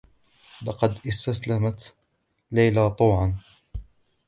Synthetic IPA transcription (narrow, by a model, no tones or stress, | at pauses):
lɑqɑd̪ʔɪst̪aslamat̪ | lajlat̪ˤuːʕan